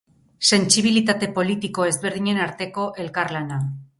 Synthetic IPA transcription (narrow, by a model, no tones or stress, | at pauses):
se̞nt͡siβ̞ilit̪at̪e̞po̞lit̪iko̞e̞zβe̞ɾð̞iɲe̞naɾt̪e̞ko̞ʔe̞lkaɾlana